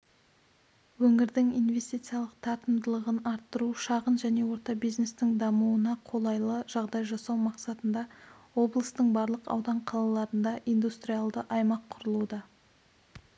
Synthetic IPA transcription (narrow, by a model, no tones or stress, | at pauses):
wɵŋɪɾd̪ɪŋijnve̞st̪ijt̪sijalˠəqt̪ʰɑt̪əmd̪əlˠəʁənɑɾt̪ːəɾuʃɑʁənʒæne̞wo̞ɾt̪ɑbijzne̞st̪ɪŋd̪ɑmuənɑqʰo̞lˠɑjlˠəʒ̥ɑʁd̪ɑjʒɑsɑwmɑqsɑt̪ənd̪ɑ | wo̞blˠəst̪əɴbɑɾlˠəqɑ̰wd̪ɑɴqʰɑlˠɑlˠɑɾənd̪ɑʔijnd̪ust̪ɾijalˠd̪əʔɑjmɑqʰːʊɾəlˠud̪ɑ